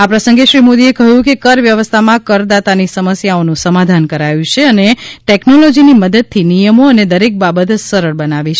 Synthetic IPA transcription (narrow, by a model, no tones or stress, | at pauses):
apɾəsəŋɡeʃɾimod̪iekəɦjũkekəɾʋjəʋəst̪ʰamãkəɾd̪at̪anisəməsjaonũsəmad̪ʱankəɾajũt͡ʃʰeəneʈeknolod͡ʒiniməd̪əd̪̚t̪ʰːinijəmoəned̪əɾek̚babət̪səɾəɭbənaʋit͡ʃʰe